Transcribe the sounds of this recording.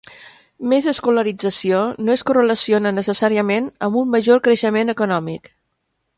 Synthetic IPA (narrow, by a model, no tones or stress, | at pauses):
mezəskuləɾid͡zəsionoeskərələsionənəsəsaɾiəmenəmbumːəʒoɾkɾəʃəmenəkunɔmik